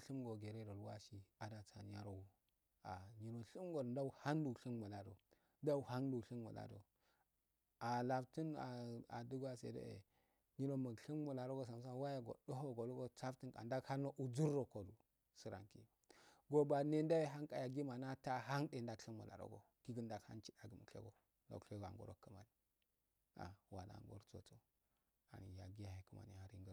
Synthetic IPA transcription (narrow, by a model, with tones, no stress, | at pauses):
ɬi˦mɡo˨ɡe˨ɾe˦do˨lwa̰˦ʃi˦a˨da˨t͡sa̰˨n˨a˦ɾo̰˨u˨˦ | a̰˨ɲi˨ɾo˨ɬi˦mɡo˨dda˦u˨ha˦ndu˨ɬi˦nmu˨la˨do̰˨ | da˦u˨ha˦ndu˨ɬi˦nmṵ˨la̰˨do̰˨ | a˨la˨fti˦na˨a̰˨du˦ɡʷa˨sḛ˨dḛ˦ḛ˨ | ɲi˦ɾo˨ma˨ɡɬi˦mmu˨la˨ɾo˦ɡo˦s̬a˨ms̬a˦wa˦ja˦ɡo̰˨ɗo˦ɦo˦ɡo˨lo˦ɡo˦t͡sa˦fti˦nkʼa̰˨nda˦ɡha˦no˦ʔu˨d͡zu˦ɾːo˨ko˨du˨ | si˦ɾa̰˨ŋkḭ˦˨ɡo˦ba˨ne˦nda˦ji˦ɦa˦ŋkʼa˨ja˨ɡi˦ma˨na˦ta˦ɦa˦nde˨nda˦kɬi˦nmṵ˨la̰˨ɾo̰˦ɡo̰˨ | ki˦ɡə˦nda˦˨kha̰˦nt͡ʃi˦da˨ɡi˨mu˨˦ḛ˦ɡo˨ | lo̰˨kɬe˦ɡa̰˨ŋɡo̰˦ɾo̰˦kːə˨ma˨ni˨ | a̰˨wa˨na̰˨ŋɡo̰˦ɾt͡so̰˨to˨ | a̰˨n˨ja˨ɡi˦ja˨he˨kə˦ma̰˨nḭ˨ha˦ɾḭ˦ŋɡə˦